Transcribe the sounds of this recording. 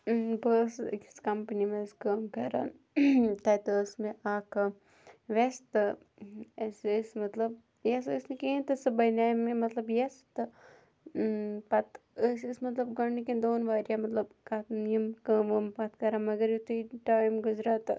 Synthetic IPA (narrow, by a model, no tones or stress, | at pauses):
bəskskɐmpnimẽskɐːmkɐɾa̰ːn | t̪ɐːt̪ɐəsmẽʔaːk | ʋest̪ | ssmɐt̪lɐb | jɐssmẽkẽːt̪ɐsbɐnaːjmẽmɐt̪lɐbjɐst̪ɨ | pɐt̪əsismɐt̪lɐbɡɐniked̪oːnʋaːɾjamɐt̪lɐbkat̪nijɐmkʋɐmpɐt̪ʰkɐɾaːmɐɡɐɾjut̪ʰuiʈaːjmɡʊzɾaːt̪